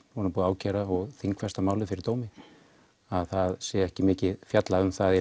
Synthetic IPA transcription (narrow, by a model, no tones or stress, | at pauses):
hɔnapuːðaaːwcʰɛːɾaɔɣθiŋkfɛst̪amaːwlɪfɪɾɪɾt̪oːwmɪ | aðθaðsɛːɛhcɪmɪːcɪðfjat̪laʏmθaðɛ